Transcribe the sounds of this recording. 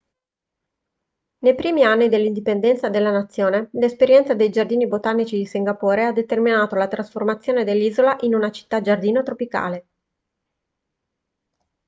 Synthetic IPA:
nejpɾiːmianːid̪elːind̪ipend̪ɛnt̪sad̪elːanat̪sːjoːnelespeɾjɛnt̪sad̪ejd͡ʒard̪iːnibot̪anːit͡ʃid̪isiŋɡapoːɾead̪et̪erminaːt̪olat̪ɾasformat̪sːjoːned̪elːiːzolaʔinunat͡ʃi̥t̪ːad͡ʒard̪iːnot̪ɾopika̰ːle

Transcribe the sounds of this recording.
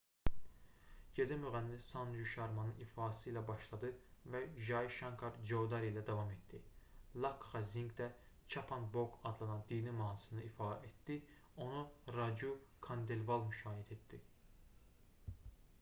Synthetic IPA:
ɟe̞zæmyɣænːifsɑnd͡ʒuʃɑɾmɑnɯnifɑːsɯjlæbɑʃlˠɑd̪ɯvæʒɑjiʃɑŋkʰɑɾd͡ʒod̪ɑɾilæd̪ɑvɑme̞t̪d̪ilˠɑkχɑziŋɡd̪æ | t͡ʃʰɑpʰɑnbokɑd̪lˠɑnɑnd̪inimɑːnsɯnɯifɑːʔet̪d̪̥i | o̞nuɾɑd͡ʒukʰɑnd̪elvɑlˠmyʃɑːjæt̪ʰet̪d̪i

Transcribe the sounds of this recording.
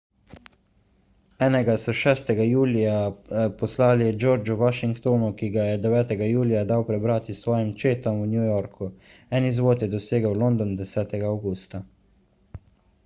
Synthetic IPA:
ɛːnɛɡasɔʃɛːst̪ɛɡajuːlijapɔslaːlid͡ʒoːɾd͡ʒuʋaʃiŋkt̪oːnukiɡajɛd̪ɛʋɛːt̪ɛɡajuːlijad̪awpɾɛbɾaːt̪isʋɔːjimt͡ʃeːt̪ɔmunjujɔɾkʰuɛnizʋoːt̪jɛd̪ɔseːɡəwlond̪ɔnd̪ɛsɛːt̪ɛɡaːwɡuːst̪a

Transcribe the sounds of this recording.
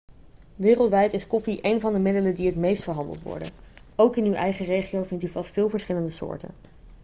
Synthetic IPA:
ʋɪːrəlˠtʋɛjtɪskɔfiʔejnvɑndəmɪdələdiɦətmejstfəɹɦɑndə̰lˠtʋɔ̰ɹdə̰nowkɪnywʔɛjχərejχiowvɪntyvɑstfɪːlˠvəɹsχɪləndəsʊ̰ːɹtə̰n

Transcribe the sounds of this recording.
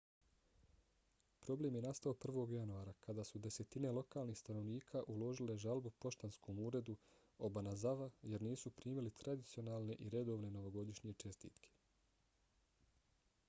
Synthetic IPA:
pɾo̞blemje̞nast̪ao̞pr̩ʋo̞ːɡjanuaːɾakad̪aːsud̪e̞se̞t̪ine̞lˠo̞kaːlˠniːxst̪ano̞ʋniːkʰaʔulo̞ʒile̞ʒalbupo̞ʃt̪ansko̞muːɾe̞d̪u | obanazaʋaje̞ɾniːsupɾiːmilit̪ɾad̪it̪sio̞naːlˠne̞ʔiɾe̞d̪o̞ːʋne̞no̞ʋo̞ɡo̞d̪iʃɲije̞t͡ʃe̞st̪ḭːt̪kʰe̥

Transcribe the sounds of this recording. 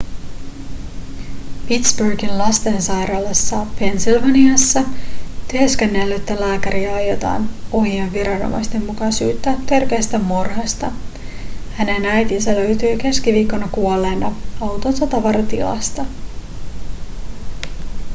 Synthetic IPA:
pit̪sburɡinlɑst̪e̞nsɑjɾɑlɑsːɑpʰe̞nsilʋɑniɑsːɑt̪eeskenːelːæet̪ːælæːkæɾʔiɑɑjo̞t̪ɑ̰ːno̞ɦieʋːiɾɑno̰mʔɑ̰jst̪e̞mːukɑsṵːt̪ːæt̪e̞rkeːst̪æmorhɑst̪ɑ | hæne̞næjt̪insælø̞ɥt̪yːke̞skiʋiːkːo̞nɑkuolːenɑɑwt̪o̞nsɑt̪ɑʋɑɾɑt̪ḭlɑ̰st̪ɑ

